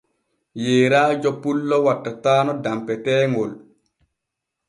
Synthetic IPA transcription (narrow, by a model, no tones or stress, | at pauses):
jeːɾaːd͡ʒɔpulːɔwatːataːnɔdampɛtɛːŋɡɔl